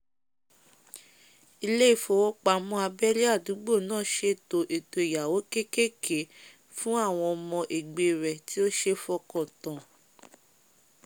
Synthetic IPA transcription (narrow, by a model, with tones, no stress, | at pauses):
i˧le˦i˦˨fo˧˨wɔ˦k͡pa˧˨mɔ̃˧˦a˧bɛ˦li˦a˦˨du˨˦ɡ͡bo˦˨nãː˦˨ʃe˧˦to˧ʔe˨to˧i˨ja˨wo˨˦ke˦ke˦kʰe˨˦ | fũ˦a˦˨w̃ɔ̃˧ɔ˧mɔ̃˧ʔe˨ɡ͡be˧˨ɾɛ˨ti˦o˦ʃe˦fɔ˧kɔ̃˦˨tã˨